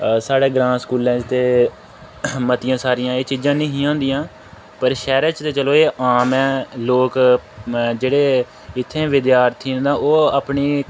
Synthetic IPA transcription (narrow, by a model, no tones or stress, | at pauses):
saːɽeːɡɾãːskuːlɛ̃ːd͡ʒt̪eː | mət̪ɪjãːsaːɾɪjãːeːt͡ʃiːd͡ʒãːnə̃ɦĩːãːnd̪ijãː | pəɾʃɛːɾɛt͡ʃt̪eːt͡ʃəloːeːʔaːmɛ̃ːloːk | d͡ʒeːɽeː | ɪt̪ʰːẽːʋɪd̪jaːɾt̪ʰːiːnd̪ãːʔoːaːpɳiː